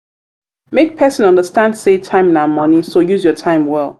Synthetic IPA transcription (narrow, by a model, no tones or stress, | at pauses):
mek̚pʰɜsə̃nʌ̃ndəstãndsetʰãɪ̃mnamʌnisojuzjɔtʰãɪ̃mwɛlˠ